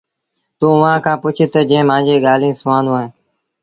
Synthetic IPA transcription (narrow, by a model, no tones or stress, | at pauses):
t̪uːʊʋãːkʰãːpʊt͡ʃʰɪt̪əd͡ʒẽɪ̃mãːd͡ʒeːɠaːl̤ĩːsʊʋãːnd̪õaːɦẽː